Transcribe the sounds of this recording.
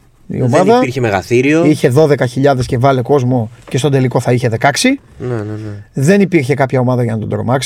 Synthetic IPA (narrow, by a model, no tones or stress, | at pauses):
ḭo̞mɐððɐiɾçemeɣɐθiɾioiçe̞ðo̞ðe̞kɐçiʎɐðe̞sce̞vɐle̞ko̞zmo̞ce̞st̪o̞d̪e̞liko̞θɐiçe̞ðe̞kɐksinenðe̞nipiɾçe̞kɐpçɐo̞mɐðɐʝɐnɐt̪o̞d̪ɾo̞̰mɐks